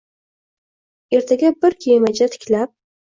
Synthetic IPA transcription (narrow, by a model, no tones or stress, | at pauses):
e̞ɾt̪ʰaɡʲabɪɾkʲʰejmat͡ʃat̪ʰɪ̥kʲlap̚